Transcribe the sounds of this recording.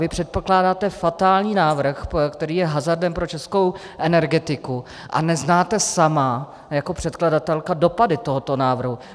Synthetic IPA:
vɪpr̥ɛt̪̚poklaːdaːt̪ɛfat̪aːlɲiːnaːvr̩xkt̪ɛɾiːjɛɦazardɛmpɾo̞t͡ʃɛskow | ʔɛnɛɾɡɛt̪ɪku | ʔa̰nɛznaːt̪ɛsama | jako̞pr̝̥ɛt̪kladat̪ɛlkado̞padɪt̪o̞ɦot̪o̞naːvrɦu

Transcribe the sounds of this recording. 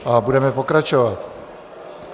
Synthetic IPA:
abudɛmɛpokɾat͡ʃovat̪

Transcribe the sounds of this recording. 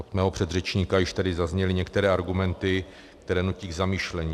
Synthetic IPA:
ʔot̪mɛːɦopr̥ɛd̪rɛt͡ʃɲiːkajɪʃt̪adɪzazɲɛlɪɲɛkt̪ɛɾɛːʔaɾɡumɛnt̪ɪ | kkt̪ɛɾɛːnuciːɡzamiːʃlɛɲiː

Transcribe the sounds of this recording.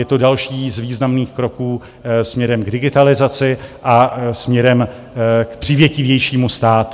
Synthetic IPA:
jɛt̪o̞dalʃiːzviːznamniːxkɾo̞kuː | smɲɛɾɛmɡdɪɡɪt̪alɪzat͡sɪʔasmɲɛɾɛm | kpr̝̥ɪvjɛcɪvjɛjʃiːmust̪aːt̪

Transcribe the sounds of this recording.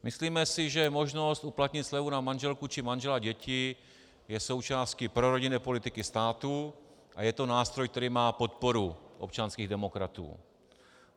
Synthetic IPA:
mɪsliːmɛsɪʒɛmo̞ʒno̞st̪ʔuplat̪ɲɪt̪slɛvunamanʒɛlkut͡ʃɪmanʒɛlaɟɛcɪ | jɛso̞wt͡ʃaːscɪpɾoɾo̞ɟɪnɛːpo̞lɪt̪ɪkɪst̪aːt̪u | ʔa̰jɛt̪o̞naːst̪ɾojkt̪ɛɾiːmaːpo̞t̪̚po̞ɾuʔopt͡ʃanskiːɣdɛmo̞kɾat̪ṵː

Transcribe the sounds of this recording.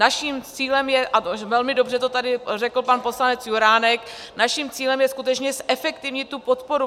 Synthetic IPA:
aʃimt͡siːlɛmjɛʔat̪ovɛlmɪdo̞br̝ɛt̪ot̪adɪrɛkl̩panpo̞slanɛt͡sjuɾaːnɛk | naʃimt͡siːlɛmjɛskut̪ɛt͡ʃɲɛsʔɛfɛkt̪ɪvɲɪt̪ːupo̞t̪po̞ɾu

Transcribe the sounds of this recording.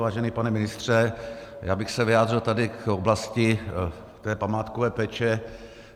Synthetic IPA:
vaːʒɛnipanɛmɪnɪst̪r̝̥ɛjaːbɪxsɛvɪjaːd̪r̝ɪlt̪adɪkoblascɪ | t̪ɛːpamaːt̪kovɛːpɛːt͡ʃɛ

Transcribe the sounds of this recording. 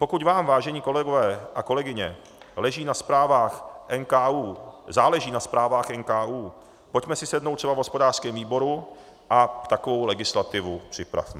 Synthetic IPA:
po̞kucvaːmvaːʒɛɲiːko̞lɛɡovɛːʔako̞lɛɡɪɲɛ̰ | lɛʒiːnaspɾaːvaːxʔɛnkaːuːzaːlɛʒiːnaspɾaːvaːxʔɛnkaːʔuː | po̞cmɛsɪsɛdnowt̪rɛbavɦospo̞daːr̥skɛːmviːbo̞ɾu | ʔat̪akovo̞wlɛɡɪslat̪ɪvupr̝̥ɪpɾa̰fmɛ

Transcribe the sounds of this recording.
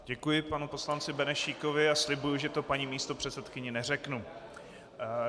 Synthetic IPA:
ɟɛkujɪpanupo̞slant͡sɪbɛnɛʃiːko̞vɪaslɪbujuʒɛt̪o̞paɲimiːst̪opr̥ɛt͡sɛt̪kɪɲɛnɛrɛknu

